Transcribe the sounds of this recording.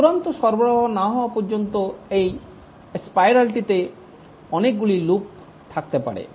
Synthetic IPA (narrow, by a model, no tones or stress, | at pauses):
uɾant̪oʃɔɾbɔɾɔɦɔnaɦɔwapɔɾd͡ʒɔnt̪oej | espajɾalʈit̪e | ɔnek̚ɡuɭilup̚ | t̪ʰakt̪epa̰ɽḛ